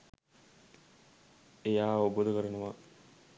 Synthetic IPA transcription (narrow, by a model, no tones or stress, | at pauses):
ejaːobod̪əkəɾɐnəʋa